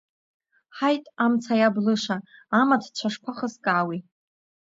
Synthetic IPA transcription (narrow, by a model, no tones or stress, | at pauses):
ħajtʼamt͡sʰajablɨʂaamatʰt͡ɕʷʰaʂpʰaχəskʼaːwi